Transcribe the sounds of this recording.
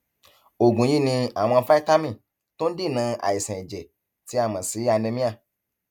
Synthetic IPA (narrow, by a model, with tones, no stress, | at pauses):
o˨ɡũ˨ji˦˨nĩ˧a˨mɔ̃˧˦fa˦i˦t̪a˦mĩ˦˨ | t̪o˦n̩˦di˦˨nã˧˦a̰˨ji˨sɛ̃˨e˨d͡ʒe˨ | ti˨˦a˦˨mã˨si˨˦a˧nẽ˧mĩ˦a˦˨